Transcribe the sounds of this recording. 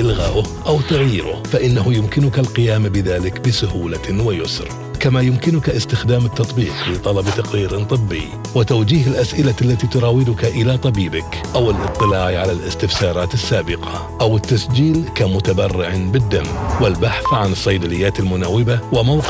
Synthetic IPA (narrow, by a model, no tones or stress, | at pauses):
ʔɪlɣaːʔʊʔawt̪aɣjiːɾʊ̰faʔɪnːahʊjʊmkɪnʊkalqɪjaːmbɪðaːlɪkbɪsʊhuːlawɪjʊsɾ | kamajʊmkɪnʊkaʔɪst̪ɪxd̪aːmɪt̪ːɑt̪ˤbiːqlɪt̪ˤɑlɑbt̪ɑqɾiːɾnt̪ˤɨbːɪ̰j | wɪt̪awd͡ʒiːɦɪlʔasʔɪlaalːat̪it̪ʊɾˤɑːwɪd̪ʊkaʔɪlat̪ˤɑbiːbɪk | ʔawɪlʔɨ̰t̪ˤːɨlaːʕʕalalɪst̪ɪfsɑːɾˤɑːt̪ɪsːaːbɪqɑ | ʔawɪt̪ːasd͡ʒiːlkamʊt̪abɑrːɪʕbɪd̪ːamːwɪlbaħθʕanɨsˤːɑjd̪alɪjːaːt̪ɪlmʊnawːɪbawɪmawq